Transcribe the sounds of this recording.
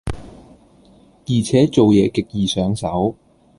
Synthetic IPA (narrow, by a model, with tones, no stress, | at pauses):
jiː˨˩t͡sʰɛː˨˥t͡so˨wjɛː˨˧kɪ˨k̚jiː˨sœː˨˥ŋsɐ˨˥w